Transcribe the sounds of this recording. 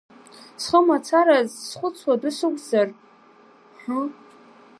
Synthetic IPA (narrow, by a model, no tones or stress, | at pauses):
sχəmat͡sʰaɾazsχʷʊt͡sʰwadɨsɨkʷʼzar | ħa